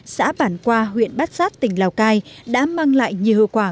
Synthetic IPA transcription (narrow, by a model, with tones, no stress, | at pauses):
sa̰ː˧˥ɓaː˧˩nkwaː˧ɦwḭ˧˨ənɓa˦˥t̚saː˦˥t̚t̪ï˨˩ŋ̟laː˨˩wkaː˧jɗa̰ː˧˥maː˧ŋla̰ː˧˨jɲi˨˩˨əhə˨˧˩kwaː˧˩